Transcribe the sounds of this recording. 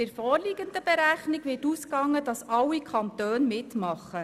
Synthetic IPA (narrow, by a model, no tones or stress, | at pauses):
ɪɾfɔːɾliɡənd̪əbɛɾæχniɡʋɪːtuskɑŋːədɑsɑwːikʰɑnt̪øːnmɪtmɑχːə